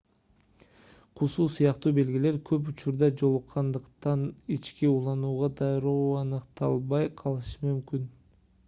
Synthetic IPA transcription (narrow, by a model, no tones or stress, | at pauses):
qʰusuːsujɑqt̪uːbe̞lɡile̞ɾkʰø̞p̬ut͡ʃuɾd̪ɑd͡ʒo̞lˠuqʰːɑnd̪ɯqt̪ɑnit͡ʃkiulˠɑnuːʁɑd̪ɑjɾoːɑnɯqt̪ɑ̰lˠβɑjqʰɑlˠɯʃɯmymkyn